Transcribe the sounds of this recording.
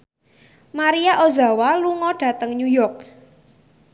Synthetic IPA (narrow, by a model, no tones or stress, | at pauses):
maɾijaʔoza̤waluŋɔɖ̥ä̤t̪əŋɲujɔrk̚